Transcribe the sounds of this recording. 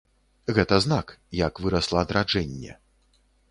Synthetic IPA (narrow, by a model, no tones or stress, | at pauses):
ɣɛt̪ɐznakjakvɨɾɐslˠɐːd̪ɾad͡ʐɛnʲːɛ̰